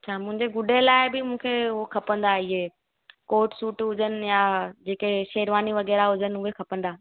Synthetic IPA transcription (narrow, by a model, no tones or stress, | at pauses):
t͡ɕʰaːmʊ̃ɦɪ̃ɲd͡ʑeɡʊɖʱelaːɪbɪmũːkʰeʊɦokʰɐpə̃nd̪aɪɦeː | koːʈsuːʈɦʊd͡ʑənɪ̆jad͡ʑeːkeʃeːɾʋaːniʋɐɣɛːɾaɦʊd͡ʑənɪ̆ʊɦekʰɐpə̃nd̪aː